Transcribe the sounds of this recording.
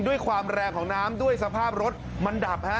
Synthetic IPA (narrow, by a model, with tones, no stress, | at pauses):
du˥˩əjkʰwaː˧mɾɛː˧ŋkʰɔː˩˦ŋnaː˦˥mdu˥˩əjsa˧pʰaː˥˩p̚ɾo˦˥t̪̚ | ma˧nda˨˩p̚ha˦˥